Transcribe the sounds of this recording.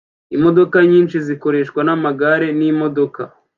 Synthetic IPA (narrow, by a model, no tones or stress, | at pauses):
imo̞do̞kaɲiːnʃiziko̞ɾe̞ʃkwanamaɡaɾe̞nimo̞do̞ka̰